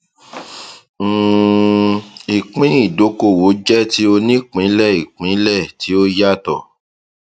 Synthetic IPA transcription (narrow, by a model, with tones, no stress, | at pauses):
i˨k͡pĩ˨˦i˦˨do˨˦ko˦˨wo˨˦d͡ʒɛ˦ti˨˦o˧nĩ˦k͡pĩ˨˦lɛ˦˨i˨k͡pĩ˨˦lɛ˦˨tʰi˨˦o˦ja˦tɔ˦˨